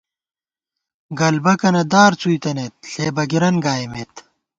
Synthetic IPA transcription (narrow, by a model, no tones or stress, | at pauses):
ɡɐlbɐkɐnɐd̪aːɾt͡suit̪ɐneːt̪̚ɬeːbɐɡiɾɐnɡaːjmeːt̪